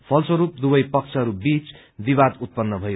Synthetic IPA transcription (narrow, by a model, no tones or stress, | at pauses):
pʰʌlswʌɾup̚d̪ubʌjpʌkt͡sʰʌɦʌɾubit͡s | bibad̪ut̪̚pʌnːʌbʱʌj